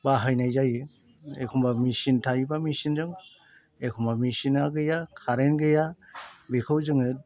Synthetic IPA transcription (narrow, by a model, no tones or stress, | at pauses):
baɦajnajzajɯ | ekʰumbamisintʰajbamisinzɯŋ | ekʰumbamisinaɡɯjakʰaɾenɡɯjabikʰɯwzɯŋɯ